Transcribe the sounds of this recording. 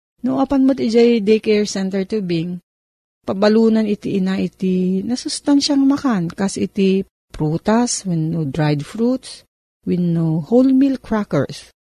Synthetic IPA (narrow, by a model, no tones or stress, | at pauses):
noŋʔɐpɐnmɐt̪ɪd͡ʒajd̪ɛjkɛɹsɛnt̪ɛɹt̪ubɪŋ | pɐbɐluːnɐnɪt̪iʔɪnaʔɪt̪ɪnɐsʊst̪anʃɐŋmɐkankasʔɪt̪i | pɾuːt̪ɐswɪnːod̪ɹajd̪fɹut̪s | wɪnːoholmilkɹakɛ̰ɹs